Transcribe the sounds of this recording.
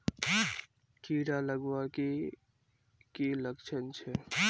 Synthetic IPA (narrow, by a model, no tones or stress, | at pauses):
kiɾaləɡwake | keləkt͡ʃʰənt͡ʃʰɛ